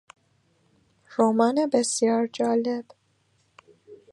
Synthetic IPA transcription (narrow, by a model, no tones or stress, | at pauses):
ɾoːmɒːnebesijɒːɾd͡ʒɒːleb̥